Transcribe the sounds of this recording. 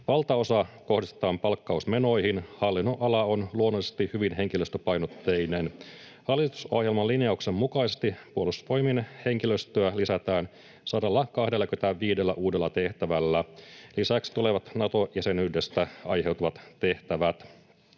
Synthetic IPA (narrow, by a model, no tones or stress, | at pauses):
ʋɑlt̪ɑo̞sɑko̞hdist̪et̪ɑːmpɑlkːɑusme̞no̞jhinhɑlːinːo̞ʔɑlɑo̞nluonːolisest̪ihyʋinɦe̞ŋkiløst̪øpɑjnot̪ːe̞jnen | hɑlːˑit̪u̥so̞hjelmɑlːinjɑuksemːukɑijsest̪ipuolust̪ʋo̞jminhe̞ŋkiløst̪øælisæt̪æːn | sɑdɑlːɑkɑhdelːækøt̪æʋiːdelːæʔuːde̞lːɑt̪e̞ht̪æʋælːælisæksi̥t̪ule̞ʋɑt̪nɑt̪o̞jɑsenydest̪æɑjhe̞wt̪uʋɑt̪t̪e̞ht̪æʋæt̪